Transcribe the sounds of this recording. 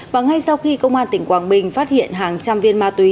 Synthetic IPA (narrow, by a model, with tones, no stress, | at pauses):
vaː˨˩ŋa˧jsa˧wxi˧kə˧wŋ͡mʔaː˧nt̪ï˨˩ŋ̟kwaː˧˩nɓï˨˩ŋ̟faː˦˥t̚hḭ˧˨ənɦaː˨˩ŋt͡ɕa˧mvi˧ənmaː˧t̪wi˨˦